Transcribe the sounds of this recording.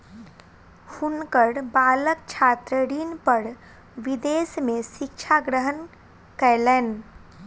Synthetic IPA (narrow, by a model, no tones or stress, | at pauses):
hunkəɽbaːlək̚t͡ʃʰaːt̪ɾəɽinpəɽ | ʋid̪eːsmẽsɪkt͡ʃʰaɡɾəɦən | kɛlɛːn